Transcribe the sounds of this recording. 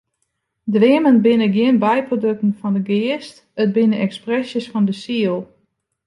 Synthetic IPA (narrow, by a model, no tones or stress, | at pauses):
dʋɪəmənbɪnəɡjɪənbɛjprodøk̚tn̩fɔndəɡɪəst | ət̚bɪnəɛksprɛsjəsfɔndəsiəlˠ